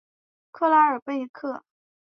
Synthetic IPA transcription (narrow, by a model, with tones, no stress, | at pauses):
kʰɤ˥˧la˥ə˞˨˩pe˥ɪ˥kʰɤ˥˩